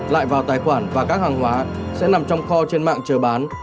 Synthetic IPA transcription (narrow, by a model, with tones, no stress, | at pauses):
la̰ː˧˨jvaː˨˩wt̪aː˨˩jxwaː˧˩nvaː˨˩kaː˦˥k̚haː˨˩ŋɦwaː˨˦sɛ̰˧˥na˨˩mt͡ɕɔ˧wŋ͡mxɔ˧t͡ɕe˧nma̰ː˧˨ŋt͡ɕəː˨˩ɓaː˨˦n